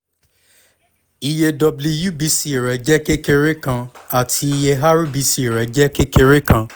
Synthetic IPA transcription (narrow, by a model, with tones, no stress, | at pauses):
i˧je˧dɔ˨˧blu˧ju˦bi˨˦si˨i˨ɾɛ˨˦d͡ʒɛ˦ke˦ke˧ɾe˦kã˧a˨tʰi˧i˧je˧ɦa˦ɾu˦bi˨˧˦si˧˦i˨ɾɛ˨d͡ʒɛ˦ke˦ke˧ɾe˦kã˧